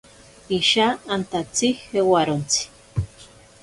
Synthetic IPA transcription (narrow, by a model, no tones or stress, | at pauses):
iʃaːnt̪at͡sihewaɾont͡si̥